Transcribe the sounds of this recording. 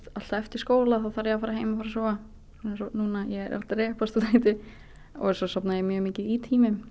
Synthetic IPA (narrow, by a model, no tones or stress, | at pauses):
t̪al̥t̪aɛft̪ɪɾ̥skoːwlaθaðθaɾjɛafaːɾaɦeːjmafaːɾsɔːa | nsɔnuːnajɛɾa̰lɾɛːhpast̪at̪ʰaːjt̪ɪ | ɔ̰ɣɛsɔsapnajɛmjœːɣmiːcɪit̪ʰiːmɪm